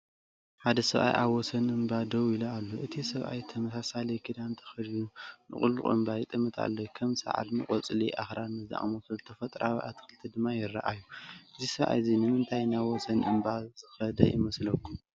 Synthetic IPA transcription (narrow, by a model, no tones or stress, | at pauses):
ħad̪ɐsɐβʔa̰jʔa̰βwɔsɐnɨmbad̪ɐwilalːoʔɨt̪ʰisɐβʔa̰jt̪ʰɐmɐsasalɐjkʰid̪ant̪ʰɐ̥xɐljunɨ̰χʼṵlːuʔʼɨ̰mbajt̪ʼɨmːɨt̪ʰa̰lːokʰɐmsa̰ʕa̰lmɨkʼɔt͡sʼliʔaxɾamɨzd̪a̰ʔʼmosɐzɨt̪ʰɐfɐt̪ʼɾawiʔa̰t̪ʰɨ̥xɨlt̪ʰid̪ɨmːajɪra̰ʔajːuʔɨzisɐβʔa̰jzinɨmɨnt̪ʰajnaβwɔsɐnʔɨ̰mbazɨxɐd̪ɐ̰jɪ̰mɐslɐkʰːum